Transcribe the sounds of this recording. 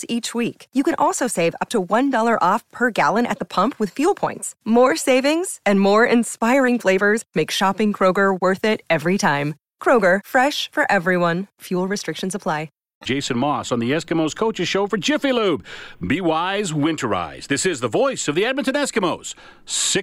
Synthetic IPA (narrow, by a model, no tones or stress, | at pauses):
it͡ʃwikjɨkɨ̃ñʔɔlˠsoʊseɪvʌ̰p̚tʰəwʌ̃ndɔlˠə˞ʔɔfpʰə˞ɡælˠə̃ñɨ̰t̪̚ðəpʰʌ̃mpʰwɨð̥fjulˠpʰɔ̃ɪ̃ntsmɔɹseɪvɪ̃ŋz̥ɨ̃nmɔɹɪ̃nspaɪɹɪ̃ŋfleɪvə˞zmeɪkʃɑpɪ̃ŋkʰɹ̥oʊɡə˞wɜ˞θɪɾɛvɹitʰãɪ̃m | kʰɹ̥oʊɡə˞fɹɛʃfə˞ʔɛvɹiwʌ̃nfjulˠɹɨstɹ̥ɪkʃɨ̃n̩səpʰl̥aɪ̥ | ʒ̥eɪsɨ̃n̩mɔsn̩ðiɛskɨmoʊz̥kʰoʊt͡ʃɨz̥ʃoʊfə˞d͡ʒɪfilub̥̚biwaɪzwɪ̃ntʰə˞a̰ɪz̥ðɪsɪzðəvɔɪsʌvðiæd̚mɨ̃ntɨ̃nɛskɨmoʊz̥ | sɪ